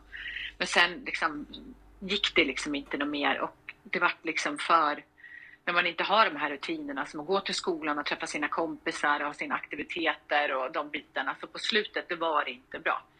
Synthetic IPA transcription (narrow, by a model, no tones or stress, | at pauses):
mɛnsɛnlɪksɔm | jɪkːd̪ɛlɪksɔmɪnt̪ənʊmeːɾɔ̰k̚d̪ɛvaʈːlɪksɔmfœɾ | næɾmanɪnt̪əɦaɖɔmɦæːɾɵt̪ʰiːnəɳasɔmɔɡoːt̪ʰɪlskuːlanɔt̪ʰɾɛfːasiːnakʰɔmpɪsaɾɔhɑːsiːnaakt̪ɪvɪt̪ʰeːt̪əɾɔd̪ɔmbiːt̪aɳasɔpʰɔslʉ̟ːt̪ət̪̚d̪ɔvaɖɛɪnt̪əbɾɑ̰ː